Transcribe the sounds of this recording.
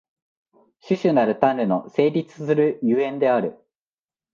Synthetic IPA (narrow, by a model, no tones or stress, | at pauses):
ɕɨɕɨnaɾɯ̟t̪ãnɾɯ̟no̞se̞ːɾʲit͡sɨ̥sɨɾɯ̟jɯẽ̞nd̪e̞aɾɯ̟